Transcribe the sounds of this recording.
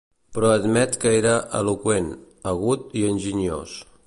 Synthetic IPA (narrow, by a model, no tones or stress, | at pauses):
pɾɔəd̪mɛt̪kəeɾəʔə̰lukwen | əɣ̞ut̪iənʲʒiɲo̰s